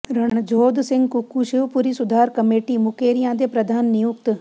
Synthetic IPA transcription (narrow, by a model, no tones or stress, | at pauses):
ɾɐɳɽ̃d͡ʒʱoːd̪sɪ̃ŋɡkukuʃɪʋpʊɾisʊd̪ʱaːɾkɐmeːʈimʊkeːɾijãːd̪epɾɐd̪ʱaːnːijʊk̚t̪